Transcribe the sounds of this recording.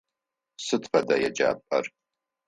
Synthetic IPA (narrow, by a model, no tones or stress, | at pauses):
sɨtʰfɐdɐjɛd͡ʒa̰ːpʼɐr